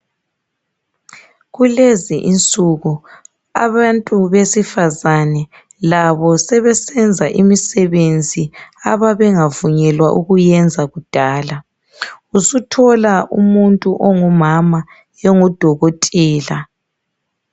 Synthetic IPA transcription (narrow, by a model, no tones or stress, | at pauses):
ɣuleziʔint͡sʼuɣu | a̰βantʼuβesifazanɛ | laβɔsɛβɛsɛnd͡zʱaʔimisɛβend͡zʱiaβaβɛŋavuɲɛlwaʔuɣujɛnd͡zʱaɣud̥ʱaːla | usutʰɔlaṵmuntʼuʔɔŋɔmama | jɛŋɔd̥ʱɔɣotʼiːla